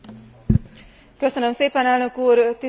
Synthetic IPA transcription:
kø̞sønømseːpɛnɛlnø̞kuːrt̪i

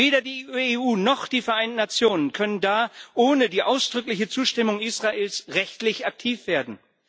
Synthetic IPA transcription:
veːɾɐdiːeːʔuːnɔχd̥iːfɛɐʔaɪntn̩nat͡sjoːnənkʰœnəndaːʔoːnədiːʔaʊsd̥ʁʏklɪçət͡suːʃtɪmʊŋʔiːsʁ̥aʔeːlsʁɛçtlɪçak̚tʰiːfv̥eːɐdn̩

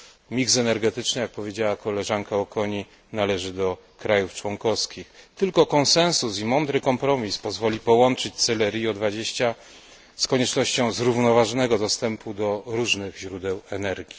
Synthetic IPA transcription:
mʲiksɛnɛɾɡɛt̪ɘt͡ʂnɘjak̚pɔvʲjed͡ʑawakɔlɛʐaŋkaɔkʰɔɲi | nalɛʐɘd̪ɔ | kɾajuft͡ʂwɔŋkɔfskʲixt̪ɘlkɔkɔñsɛ̃ñsusimɔnd̪ɾɘkɔmpɾɔmʲispɔzvɔlʲipɔwɔnt͡ʂɘt͡ɕʲt̪sɛlɛɾʲjiɔd̪vad͡ʑeɕt͡ɕa | skɔɲɛt͡ʂnɔɕt͡ɕɔ̃w̃zɾuvnɔvaʐɔnɛɡɔd̪ɔst̪ɛmpud̪ɔɾuʐnɘɣʑɾud̪ɛwɛnɛɾɡʲi

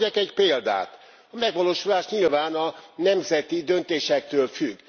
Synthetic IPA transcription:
akɛɟpeːld̪a̰ːt̪ | ɒmɛɡʋɒloːʃulaːʃɲilvaːnɒnɛmzɛt̪id̪ønt̪eːʃɛk̚t̪øːlfyɡː

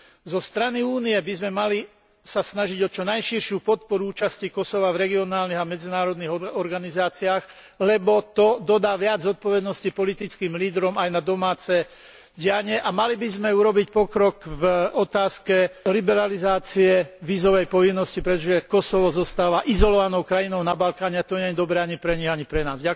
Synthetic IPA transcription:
zɔst̪ɾaniuːniɛbizmɛmali | sasnaʒiɟɔt͡ʃɔnajʃiɾʃupɔt̪̚pɔɾuuːt͡ʃascikɔsɔʋavɾɛɡiɔnaːlniɣamɛd͡zinaːɾɔd̪niɣɔɾɡanizaːt͡siaːɣ | lɛbɔt̪ɔd̪ɔd̪aːʋɪad͡zzɔt̪̚pɔʋɛd̪nɔscipɔlit̪it͡skiːmliːd̪ɾɔmajnad̪ɔmaːt͡sɛ | ɟɪaɲɪɛʔamalibizmɛuɾɔbicpɔkɾɔkvɔt̪aːskɛlibɛɾalizaːt͡siɛʋiːzɔʋɛjpɔʋinːɔscipɾɛt̪ɔʒɛkɔsɔʋɔzɔst̪aːʋaʔizɔlɔʋanɔʊkɾajinɔʊnabalkaːɲɛat̪ɔɲɛɛd̪ɔbɾɛːaɲipɾɛɲiɣaɲipɾɛnaːzɟa

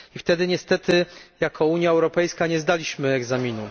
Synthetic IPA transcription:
ift̪ɛd̪ɘɲɛst̪ɛt̪ɘjakʰɔuɲjaɛwɾɔpɛjskaɲɛzd̪alʲiɕmɘɛɡzamʲinu

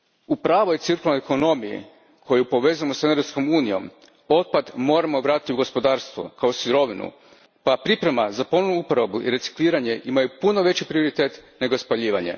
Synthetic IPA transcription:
upɾaːʋo̞jt̪siɾkulˠanoeko̞no̞mijḭ | kʰo̞jupo̞ʋe̞zujemoseneɾsko̞muːnijo̞̰m | o̞t̪̚pad̪mo̞ːɾamoʋɾat̪it̪iuɡo̞spo̞d̪aːɾst̪ʋo̞̰kaosiɾo̞ʋinṵ | papɾipɾe̞mazapo̞nonuupoɾabuʔḭɾe̞t̪si̥kliːɾaɲe̞ʔimajupuno̞ʋe̞t͡ɕipɾio̞ɾit̪e̞ːt̪ne̞ɡo̞spaʎiːʋaɲe̞̰

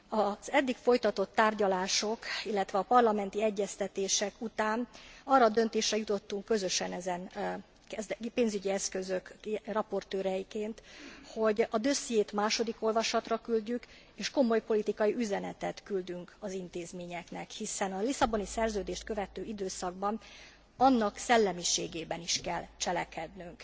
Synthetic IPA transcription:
ɒz̥ɛd̪ːikfo̞jt̪ɒt̪o̞t̪ːaːrɟɒlaːʃo̞kilːɛt̪ʋɛɒpɒrlɒmɛnt̪iɛɟːɛst̪ɛt̪eːʃɛkut̪aːnɒrːɒd̪ø̞nt̪eːʃrɛjut̪o̞t̪ːuŋkkːø̞zøʃɛnɛzɛn | kɛzpeːnzyɟiɛskø̞zø̞krɒpo̞rt̪øːɾɛjikeːnt̪ho̞ɟɒd̪øsjeːt̪maːʃo̞d̪iko̞lvɒʃɒt̪rɒkylɟyk | eːʃko̞mo̞jpo̞lit̪ikɒjiʔyzɛnɛt̪ɛt̪kyld̪yŋkɒzint̪eːzmeːɲɛknɛkhisɛnɒlisɒbo̞nisɛrzøːd̪eːʃt̪kø̞vɛt̪øːid̪øːsɒɡbɒn | ɒnːɒksɛlːɛmiʃeːɡeːbɛniʃkɛlːt͡ʃɛlɛkɛd̪nyŋk

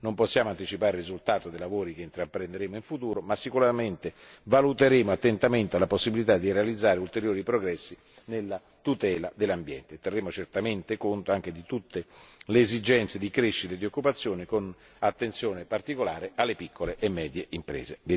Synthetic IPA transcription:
nomposːjaːmoant̪it͡ʃipaːɾerizult̪aːt̪od̪ejlavoːɾikeint̪ɾapːɾend̪eɾeːmoiɱfut̪uːɾomasːikuɾament̪evalut̪eɾeːmoat̪ːent̪ament̪ealːaposːibilit̪ad̪irealid̪zːaːɾeult̪eɾjoːɾipɾoɡɾɛsːi | nelːa | t̪ut̪ɛːlad̪elːambjɛ̰nt̪et̪ːerːeːmot͡ʃert̪ament̪ekont̪oaŋk̟ed̪it̪ut̪ːeleːzid͡ʒɛnt̪sed̪ikɾeʃːit̪ed̪iokːupat̪sːjoːnikon | at̪ːensjoːnepart̪ikolaːɾeʔalːepikːoleʔemːɛːd̪jeʔimpɾḛːzevi

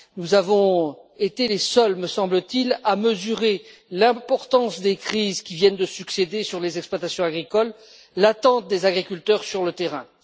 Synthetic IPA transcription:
nuzavɔ̃et̪elesœlməsɑ̃blət̪ilaməzyʁelɛ̃pɔʁt̪ɑ̃sd̪ekχizkʲivjɛnd̪əsyksed̪esyʁlezɛksplwat̪asjɔ̃aɡʁikɔlː | at̪ɑ̃t̪̚d̪ezaɡʁikʲylt̪œʁsyʁlət̪eʁɛ̃

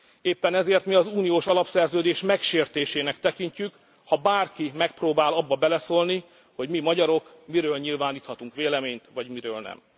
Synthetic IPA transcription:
eːpːɛnɛzeːrt̪miɒzuːnijoːʃɒlɒpsɛrzøːd̪eːʃmɛkʃeːrt̪eːʃeːnɛkt̪ɛkiɲcyk | hɒbaːrkimɛk̚proːbaːlɒbːɒbɛlɛsoːlni | ho̞ɟmimɒɟɒɾo̞k | miɾøːlɲilvaːniːt̪hɒt̪uŋkʋeːlɛmeːɲt̪ʋɒɟmiɾøːlnɛ̰m

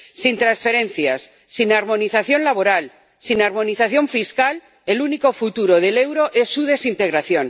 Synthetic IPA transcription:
sint̪ɾansfe̞ɾe̞n̟θjasːinaɾmõ̞niθaθjo̞nlaβ̞o̞ɾal | sinaɾmo̞niθaθjo̞ɱfiskal | e̞luniko̞fut̪uɾo̞ð̞e̞le̞wɾo̞ʔe̞sːuð̞e̞sint̪e̞ɣɾaθjon

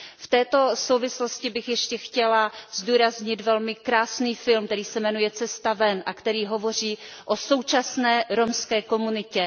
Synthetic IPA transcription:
ft̪ɛːt̪o̞so̞wvɪslo̞scɪbɪxjɛʃcɛxcɛlazduːɾazɲɪt̪vɛlmɪkɾaːsniːfɪlmkt̪ɛɾiːsɛmɛnujɛt͡sɛst̪avɛnʔakt̪ɛɾiːɦo̞vo̞r̝iːʔoso̞wt͡ʃasnɛːɾo̞mskɛːko̞munɪcɛ

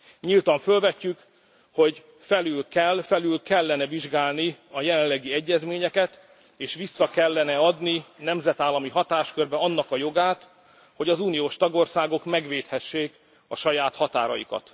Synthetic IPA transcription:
ɲilt̪ɒɱfølvɛcːyk | ho̞ɟ | fɛlylkɛlːfɛlylkɛlːɛnɛviʒɡaːlniɒjɛlɛllːɛɡiɛɟːɛzmeːɲɛkɛt̪ | eːʃʋisːɒkɛlːɛnɛɒd̪ninɛmzɛt̪aːlːɒmiɦɒt̪aːʃkørbɛɒnːɒkɒjo̞ɡaːt̪ | ho̞ɟɒzuːnijoːʃt̪ɒɡo̞rsaːɡo̞kmɛɡʋeːt̪hɛʃːeːk | ɒʃɒjaːt̪hɒt̪a̰ːɾɒ̰jḭkɒ̰t̪

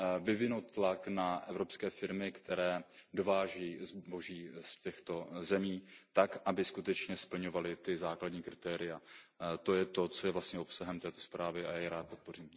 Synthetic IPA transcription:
vɪvɪnowt̪ːlaknaʔɛvɾo̞pskɛːfɪɾmɪkt̪ɛɾɛːdo̞vaːʒiːzbo̞ʒiːscɛxt̪o̞zɛmiːt̪akʔabɪskut̪ɛt͡ʃɲɛspl̩ɲo̞valɪt̪ɪzaːkladɲiːkɾɪt̪ɛːɾɪjat̪o̞jɛt̪o̞t͡so̞jɛvlast̪ɲɛo̞psaɦɛmt̪ɛːt̪o̞spɾaːvɪajaɾaːt̪̚po̞t̪po̞riːm

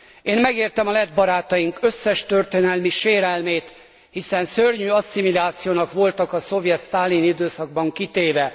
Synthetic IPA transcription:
eːnmɛɡeːrt̪ɛmɒlɛd̪bɒɾaːt̪ɒjiŋkø̞sːɛʃt̪ørt̪eːnɛlmiʃeːɾɛlmeːt̪ | hisɛnsørɲyːɒsːimilaːt̪sijoːnɒkʋo̞lt̪ɒkɒso̞vjɛt̪st̪aːlinid̪øːsɒɡ̚bɒŋkit̪eːvɛ

